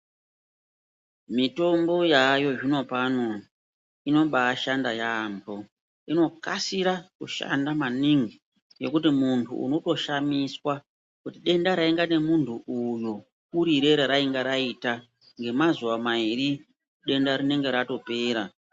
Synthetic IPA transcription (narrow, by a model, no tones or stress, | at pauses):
mito̞mbo̞jajo̞ʐino̞pano̞ | ino̞ɓaʃandajambʱo̞ | ino̞kasiɾakuʃa̰ndamaniŋɡi | jo̞kutimuntʰṵṵno̞to̞ʃamiswa | kutiɗe̞ndaɾaiŋɡane̞muntʰuʔuju | kuɾiɾe̞ɾeɾaiŋɡaɾaita | ŋɡe̞mazuwamaiɾi | ɗe̞ndaɾine̞ŋɡe̞ɾato̞pe̞ːɾa